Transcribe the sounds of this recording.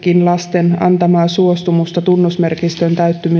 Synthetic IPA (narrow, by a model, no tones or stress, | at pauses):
kinlɑst̪e̞nɑ̰nt̪ɑmɑːsuost̪umust̪ɑt̪unːosmerkist̪ønt̪æyt̪ːymy